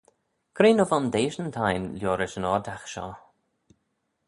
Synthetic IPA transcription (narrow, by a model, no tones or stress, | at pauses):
kʰɾeːnɔvɔnd̪eːʃənt̪ʰajnljɔːɾɪʃənɔːd̪axʃɔ̰